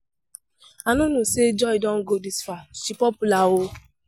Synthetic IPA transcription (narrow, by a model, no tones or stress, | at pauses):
anũnũsed͡ʒɔidɔ̃ŋ̩ɡodisfaʃipɔpulawo